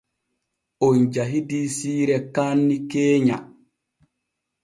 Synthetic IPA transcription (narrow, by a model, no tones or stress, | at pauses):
ʔond͡ʒaɦidiːsiːɾɛkaːnːikeːɲa